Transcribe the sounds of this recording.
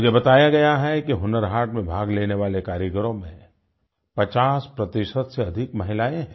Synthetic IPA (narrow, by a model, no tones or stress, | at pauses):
ɡebɐt̪aːjaɡɐjaɦɛkiɦʊnəɾɦaːʈmẽbʱaːɡleːneʋaːlekaːɾjəkəɾõmẽ | pɐt͡ʃaːspɾɐt̪ɪʃət̪seɐd̪ʱɪkmɐɦɪlaːẽɦɛ̃